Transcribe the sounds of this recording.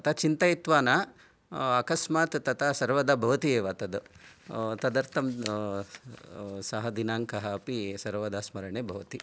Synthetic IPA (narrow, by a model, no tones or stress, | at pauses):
ɐt̪ʰɐt͡ʃint̪ɐjit̪ʋaːna | ɐkɐsmaːt̪t̪ɐt̪ʰasɐɾʋɐd̪abʱɐʋɐt̪ieːʋat̪ɐd̪u | t̪ɐd̪ɐɾt̪ʰɐm | sɐɦɐd̪inaːŋkɐɦɐɐpisɐɾʋɐd̪aːsmɐɾɐɳeːbʱɐʋɐt̪i